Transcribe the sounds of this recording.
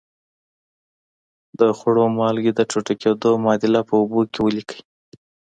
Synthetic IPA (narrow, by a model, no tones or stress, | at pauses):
d̪əxʊɽomɑlɡed̪əʈ͡ʂoʈaked̪omɑd̪ɪlapəubokewəlikə̥j